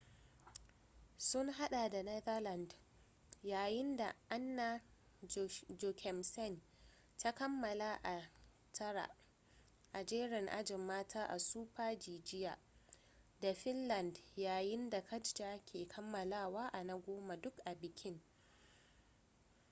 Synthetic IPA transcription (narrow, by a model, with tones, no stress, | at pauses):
sʊ˦ŋɦa˦ɗa˨da˨nɐ˦ðɐ˦la˨nd | jaː˨jɪ˦nda̰˨ʔa˦nːa˦ | d͡ʒo˨kʰɛ˨msɛ˦˨n | ta˦kɐ˦mːɐ˨la˦ʔa˨ | tʰɐ˦ɽa̰˨ʔ | ʔa˨d͡ʒeː˦ɾɪ˨ŋʔa̰˦d͡ʒɪ˨mːaː˦tʰaː˦ʔa̰˨suː˦ɸaː˦d͡ʒiː˨d͡ʒɪ˦jaː˨ | da˨ɸɪ˦nlɐ˨ndjaː˨jɪ˦nda˨kʰɐ˦d͡ʒd͡ʒaː˦kʲʰeː˨kʰɐ˦mːɐ˨laː˦˨waː˦ʔa˨nɐ˦ɡʷoː˦ma˨dʊ˦kʔa˨bɪ˨kʲʰɪ˦ŋ